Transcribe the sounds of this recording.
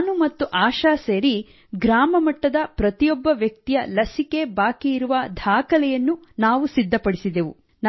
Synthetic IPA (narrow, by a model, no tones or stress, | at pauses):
numɐt̪ːuʔaːʃaːseːɾi | ɡɾaːmɐmɐʈːɐd̪ɐpɾɐt̪ijɔbːɐʋjɐk̚t̪ijɐlɐsike̞baːkiiɾuʋɐd̪ʱaːkɐlɛjɐnːunaːʋusid̪ʱːɐpɐɽisid̪eʋu | n